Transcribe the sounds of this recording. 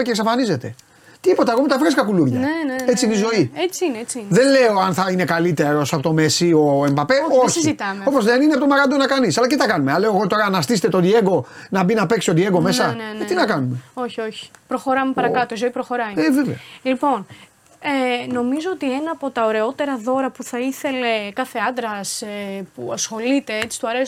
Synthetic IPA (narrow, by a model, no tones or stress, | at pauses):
ceksɐfɐnize̞t̪e̞ | t̪ipo̞t̪eɐkomet̪ɐfɾiskɐkuluɾʝɐnenet͡siinizo̞iet͡siineet͡siiðe̞nle̞o̞ɐnθɐine̞kalit̪e̞ɾo̞sɐpot̪o̞me̞sio̞e̞mbape̞o̞çizit̪ɐmo̞po̞zðeninepot̪omɐɾɐd̪onɐkɐnisɐlɐc̪t̪it̪ɐkɐnumeale̞oɣot̪o̞ɾɐnɐst̪iset̪e̞t̪od̪ie̞ɡo̞nɐbinɐpe̞ksiod̪ieɡo̞me̞sɐnent̪inɐkɐnume̞o̞çio̞çi̥pɾoxo̞ɾɐmepɐɾɐkɐt̪oizoipɾoxo̞ɾɐjeveveolipo̞n | eno̞mizoot̪ie̞nɐːpo̞t̪ɐoɾe̞o̞t̪e̞ɾɐðo̞ɾɐpuθɐiθe̞le̞kɐθeɐnd̪ɾɐsepuɐsxo̞lit̪e̞et͡si̥st̪uɐɾe